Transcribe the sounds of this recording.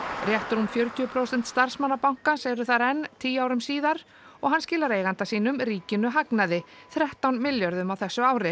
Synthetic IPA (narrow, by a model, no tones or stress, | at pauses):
rjɛht̪ʏɾumfjœɾc̪ʰʏːʏpʰɾowsɛn̥t̪st̪aɾ̥smanːapawŋ̥kaseːjɾʏθaɾɛnːt̪ʰiːaːwɾʏmsiːðaɾ | ɔɣɦanscɪːlaɾejɣant̪asiːnʏmɾiːcɪnːʏɦaknaðɪ | θɾɛht̪awnmɪljœɾðʏmawθɛsːʏaːwɾɪ